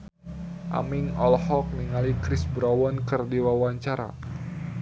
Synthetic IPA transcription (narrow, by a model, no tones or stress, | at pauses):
ʔa̰miŋɔlhɔk̚niŋalikɾɪsbɾawɔnkərdiwawaɲt͡ʃaɾa̰